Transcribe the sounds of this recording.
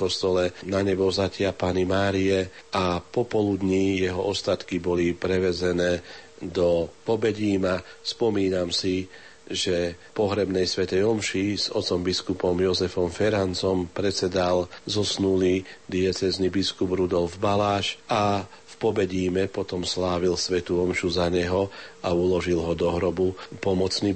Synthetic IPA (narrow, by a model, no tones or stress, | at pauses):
kɔst̪ɔlɛnaɲɛbɔzacɪapaːnimaːɾiɛʔapɔpɔlud̪ɲijɛɦɔʔɔst̪at̪kibɔlipɾɛʋɛzɛnɛː | d̪ɔpɔbɛɟiːmaspɔmiːnamsi | ʒɛpɔɦɾɛbnɛjsʋɛt̪ɛjɔmʃiz̥ɔt͡sɔmbiskupɔmjɔzɛfɔmfɛɾant͡sɔmpɾɛt͡sɛd̪alzɔsnulid̪iat͡sɛznibiskubɾud̪ɔlvbalaːʃa | fpɔbɛɟiːmɛpɔt̪ɔmslaːʋilsʋɛt̪uɔmʃuzaɲɛɦɔaulɔʒilɦɔd̪ɔɦɾɔbupɔmɔt͡sni